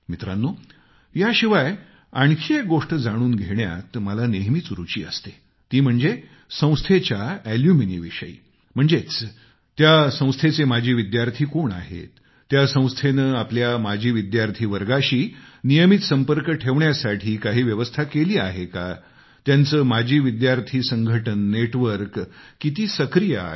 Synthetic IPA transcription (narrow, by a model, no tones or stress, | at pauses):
mit̪ɾanːu | jaɕiʋaj | aɳkʰek̚ɡoʂʈəd͡zaɽ̃uːnɡʱeɳja̰t̪məlaneɦmiːt͡sɾut͡ɕiːə̰st̪e | t̪iːm̤əɳd͡ze | sə̃w̃st̪ʰet͡ɕjaæljuminḭʋiʂəḭː | m̤əɳd͡zet͡s | t̪jasə̃w̃st̪ʰet͡semad͡ʑʱiːʋid̪jaɾt̪ʰiːkoɳa̰ɦḛt̪ː | jasə̃w̃st̪ʰenəːapljamad͡ʑʱiːʋid̪jaɾt̪ʰiːʋəɾɡaɕiːnijəmit̪səmpəɾkəʈʰeʋɳjasaʈʰiːkaɦiːʋjəʋəst̪ʰakeliːaɦeka | t̪jant͡səːmad͡ʑʱiːʋid̪jaɾt̪ʰiːsəŋɡʱəʈənːeʈʋəɾkːit̪̬iːsəkɾijə̰